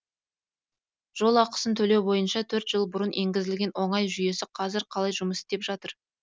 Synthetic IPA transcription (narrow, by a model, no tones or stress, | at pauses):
ʒ̥o̞lˠɑqə̥sənt̪ʰɵle̞wbo̞jənʃɑt̪ʰɵɾt̪ʒ̥əlˠbʊɾənʔe̞ŋɡʲɪzɪlɡʲe̞nwo̞ɴɑjʒʏje̞sɪqʰɑzɪɾqʰɑlˠɑjʒʊməse̥t̪e̞pʒ̥ɑt̪əɾ